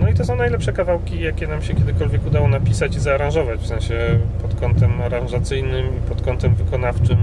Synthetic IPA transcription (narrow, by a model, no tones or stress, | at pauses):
nɔit̪ɔsɔ̃w̃najlɛpʂɛkavawkʲijakʲɛnamɕɛkʲɛd̪ɘkɔlvʲjɛkud̪awɔnapʲisat͡ɕizaːɾãʐɔvat͡ɕfsɛ̃w̃ɕɛpɔt̪kɔnt̪ɛmaɾãnʐat̪sɘjnɘmipɔt̪kɔnt̪ɛmvɘkɔnaft͡ʂɘm